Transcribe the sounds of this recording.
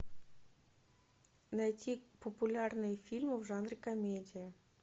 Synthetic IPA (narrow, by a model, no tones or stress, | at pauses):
najtʲipəpulʲarnɨjəfʲilʲmɨvʐanrɨkɐmʲedʲɪjə